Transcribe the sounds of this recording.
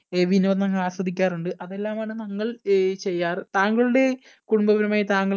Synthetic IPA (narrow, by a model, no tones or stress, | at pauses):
ʋinuʋɐnɐŋːɐɭaːsɐd̪ʱikʲːaːruɳɖɨʔɐðe̞lːaːmaːɳɨnɐŋːɐɭt͡ɕe̞jːaːrt̪aːŋɡɐɭuɽe̞ | kuɽumbɐʋɐɾumaːjit̪aːŋɡɐɭ